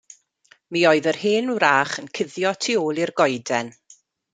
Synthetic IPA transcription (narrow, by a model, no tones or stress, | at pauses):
miːoɨðərhɪːnwɾaːχənkʰɪðjɔtʰioːlˠirɡɔjdɛn